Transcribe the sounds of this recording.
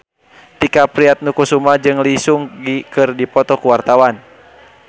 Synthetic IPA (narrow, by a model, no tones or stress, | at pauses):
t̪ikapɾiat̪̚nukusumad͡ʒɨŋlisuŋɡikɨrdipɔt̪ɔkuwart̪awan